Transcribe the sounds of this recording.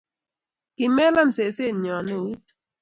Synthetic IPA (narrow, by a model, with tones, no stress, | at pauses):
kɪ˨mɛ˦la˦mse˨se˦˨ɲɔ˨ne˦˨wu˦t